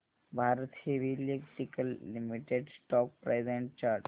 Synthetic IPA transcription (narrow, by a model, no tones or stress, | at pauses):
bʱaɾt̪heʋilekʈikəlːimiʈeɖsʈɔk̚pɾezeɳʈ̚t͡ɕaʈ